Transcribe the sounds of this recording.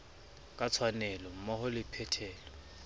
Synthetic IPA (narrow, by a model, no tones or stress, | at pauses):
kʼat͡sʰwanɛlɔm̩mɔhʊlɪpʰɛtʰɛːlɔ